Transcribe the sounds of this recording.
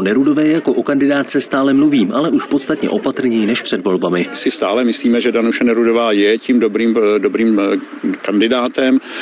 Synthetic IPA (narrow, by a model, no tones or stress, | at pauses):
nɛɾudo̞vɛːjɛjako̞ʔo̞kandɪdaːt̪̚t͡sɛst̪aːlɛmluviːmʔalɛʔuʃpo̞t̪st̪at̪ɲɛ̰ʔo̞pat̪r̩ɲɛjinɛʃpr̝̥ɛdvo̞lbamɪsɪst̪aːlɛmɪsliːmɛʒɛdanuʃɛnɛɾudovaːjɛcimdobɾiːmdobɾiːm | kandɪdaːt̪ɛm